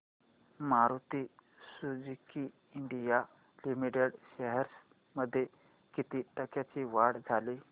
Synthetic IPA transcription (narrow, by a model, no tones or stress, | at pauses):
maɾut̪i | sud͡ʑikiː | ɳɖija | limiʈeɽɕəɦɛɾs | məd̪ʱːje | kit̪iːʈəkjat͡ɕiʋaɽd͡zʱali